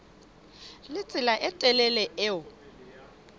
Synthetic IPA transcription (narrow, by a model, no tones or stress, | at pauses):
lɪt͡sʼɪlaʔɪtʼɛlɛlɛʔɪʊ